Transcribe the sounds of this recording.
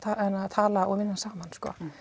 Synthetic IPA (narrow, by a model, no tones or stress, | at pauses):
aʔɛnaðt̪ʰaːlaɔɣvɪnːansaːmanskɔ̰ː